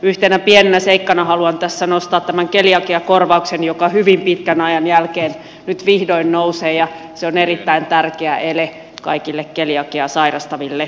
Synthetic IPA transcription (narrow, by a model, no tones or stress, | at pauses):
yht̪enæpienenæseikːɑnɑhɑluɑnt̪æsːænost̪ɑːt̪t̪æmæŋkeljɑkiɑkorʋɑuksenjokɑhyʋimpit̪kænɑjɑnjælkeːn | nyt̪ʋihdoinːnouseːjɑ | seonerit̪ːæint̪ærkeæʔele | kɑ̰ikilːekkeljɑkiɑsɑirɑst̪ɑʋilːe